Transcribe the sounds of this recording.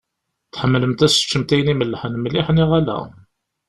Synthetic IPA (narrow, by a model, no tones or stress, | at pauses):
θħəmːləmt̪æsə̥t͡ʃːəmt̪æjəniməlːħənmliħniʁælæ̰